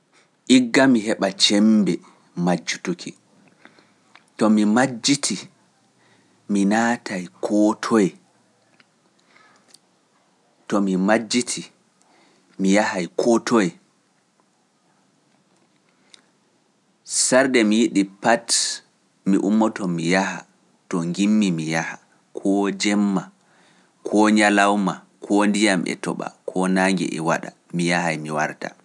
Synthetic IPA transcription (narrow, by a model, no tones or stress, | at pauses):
ʔiɡːamiɦɛɓat͡ʃɛmbɛ | mad͡ʒːutukʰi | tɔmimad͡ʒːitʰi | minaːtajkʰɔtʰɔjɛ | tɔmimad͡ʒːitʰi | mijahajkʰɔtʰɔjɛ | saɾdɛmijiɗipat | miʔumːɔtɔmijaha̰ | tɔŋɡimːimijaha | kʰɔd͡ʒɛmːa | kʰɔɲalawma | kʰɔndijamɛ̰tɔɓa̰kʰɔnaːŋɡɛ̰ʔɛ̰wa̰ɗa̰ | mijahajmiwaɾta̰